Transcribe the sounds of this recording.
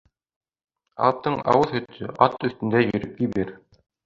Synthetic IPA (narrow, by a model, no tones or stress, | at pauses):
ɑ̰lˠp̚t̪ːɤɴɑ̰wɤðhɵ̆t̪ʰːɵʔɑt̪ɵ̆θt̪ɵ̆nd̪æjɵ̆ɾɘp̚k̪ibiɾ